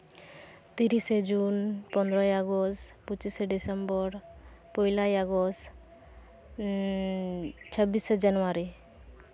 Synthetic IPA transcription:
t̪iɾised͡ʒunpɔnd̪ɾɔjaɡɔstput͡ʃiseɖisembɔɾ | pɔjlajaɡɔs | t͡ʃʰəbised͡ʒanuaɾi

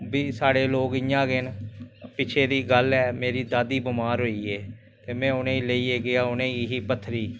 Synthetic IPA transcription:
biːsaːɽeːloːɡɪjãːɡeːnpɪt͡ʃʰeːd̪iːɡəlɛːmeːɾiːd̪aːd̪iːbʊmaːɾɦoːiːeː | t̪eːmɛ̃ːʊnẽːleiːeːɡɪaːʊnẽːiːɦiːpət̪ʰːɾiː

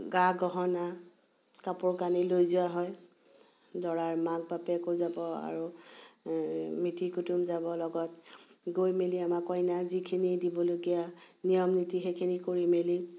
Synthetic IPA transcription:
ɡaɡɔɦɔna | kapʊɹkanilojzʊaɦɔj | dɔɹaɹmaɡ̚bapɛkozabɔa̰ɹu | mitikutumzabɔlɔɡɔtɡojmeliamakɔjnazikʰinidibɔloɡijanijɔmnitixekʰinikoɹimeli

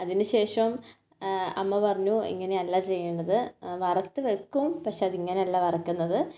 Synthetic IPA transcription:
ɐðinɨɕe̞ːʂɐm | ɐmːɐpɐrɐɲːuḭŋːɐne̞ɐlːat͡ɕe̞jːeɳɖɐðɨʋɐrɐt̪ːɨʋekːumpɐkʂeɐðiŋːɐneɐlːaʋɐrɐkːunːɐðɨ

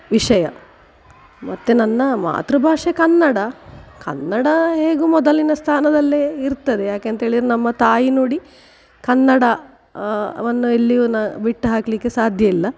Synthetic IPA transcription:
ʋiʂɐjɐ̰ | mɐt̪ːenɐnːɐma̰ːt̪ɾubʱaːʂekɐnːɐɽɐkɐ̰nːɐɽɐɦe̞ːɡumɔd̪ɐlinɐst̪ʰaːnɐd̪ɐlːeiɾt̪ːɐd̪e̞jaːkeɐnt̪ɐɦeːɭid̪ɾenɐmːɐt̪aːjinoːɽi | kɐnːɐɽɐ | ʋɐnːuelːiʋunɐbiʈːɦaːklikːe̞saːd̪ʱjɐilːɐ

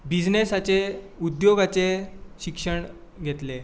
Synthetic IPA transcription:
bid͡znesat͡seud̪joɡat͡seɕikʂəɳɡʱet̪le

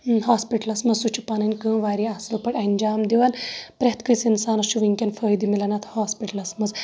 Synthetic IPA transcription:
ɦaːspiʈɐlɐsmɐzsut͡ʃʰu̥panɐnʲkə̃ːʋaːɾiaslɐpɐɽɐnʲd͡ʒaːmd̪iʋɐnpɾet̪ʰkəsinsaːnɐt͡ʃuʋiŋkʲɐnfʰəːjd̪imilɐnɐt̪ʰhaːspiʈɐlɐsmɐz

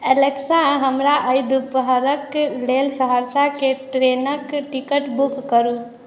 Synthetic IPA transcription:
eleksãɦəmɾaʔəjd̪upɦəɾəklelsəɦəɾsakeʈɾenəkʈikəʈbukːəɾu

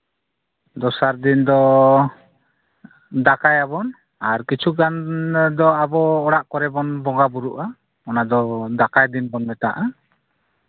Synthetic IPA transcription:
d̪ɔsaɾd̪ind̪ɔ | d̪akajabɔn | aɾkit͡ʃʰuɡand̪ɔabɔːɽaʔkɔɾɛbɔnbɔŋɡabuɾuʔa | ɔnad̪ɔd̪akajd̪inbɔnmɛt̪a̰ʔa

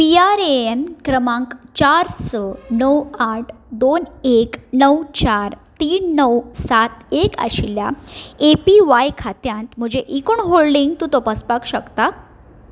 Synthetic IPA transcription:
piaɾeenkɾəmãŋkt͡ɕaɾsənəwaʈʰd̪oneknəwt͡ɕaɾt̪iːnːəwsat̪eka̰ɕiljaepiʋajkʰat̪jãnt̪m̤əd͡ʑeʔikuɳɦoɭɖiŋɡt̪ũːt̪ɔpaspakɕəkt̪a

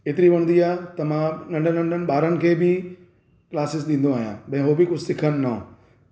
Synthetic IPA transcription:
eːt̪ɪɾiʋɐɽ̃nd̪iaːɦt̪ɐmãnɐ̃ɳɖənɐ̃ɳɖʱənɪ̆ɓaːɾənɪ̆kʰeːbɪ | klaːsɪs̬ɗĩːn̆d̪oaːɦijã̰ːɓɐ̃ɦɪ̃ɦobɪkʊd͡ʑʱsɪkʰənɪna

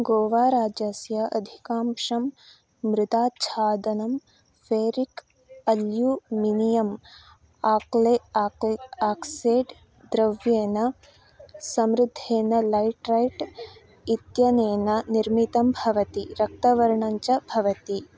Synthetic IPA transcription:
ɡoːʋaːɾaːd͡ʒɐsjɐʔɐd̪ʱikaːmʂɐmː | ɾɪt̪aːt͡ʃʰaːd̪ɐnɐm | feːɾik | ɐljuminijɐm | aːkle | aːkseːɖ | d̪ɾɐʋjeːnɐ | sɐmɾɪd̪ʱːeːnɐlɐjʈɾɐjʈ | it̪jɐneːnɐniɾmit̪ɐmbʱɐʋɐt̪iɾɐk̚t̪ɐʋɐɾɳɐɲt͡ʃɐbʱɐʋɐt̪i

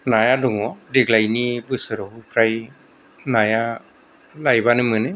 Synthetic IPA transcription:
najaduŋɔdiɡlajnibɯsɯɾɔupʰɾaj | naja | lajbanɯmɯnɯ

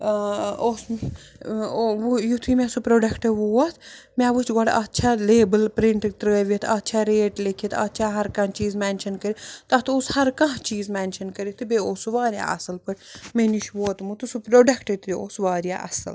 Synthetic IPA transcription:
os | ʋujut̪ʰumɛ̃supɾoɖɐkʈeʋoːɐt̪ʰmʲaʋut͡ʃɡɔɽɐtːt͡ʃʰaleːbəlpɾiɳʈt̪ɾəːʋʲɐt̪ʰɐt̪ːt͡ʃʰaɾeːʈlekʰiit̪ʰɐ̰t̪ːt͡ʃʰaːɦɐɾkɐ̃t͡ʃiːzmɛnʃɐnkɐɾit̪ɐt̪oshɐɾkɐ̃ɦt͡ʃiːzmɛnʃɐnkəɾit̪ɨbʲeoːsuʋaːɾja̰ːʔɐ̰sɨlpɐʈʲmeniʃʋoːt̪mut̪usupɾoːɖɐkʈet̪beoːsʋaːɾja̰ːʔɐ̰sɨ̰l

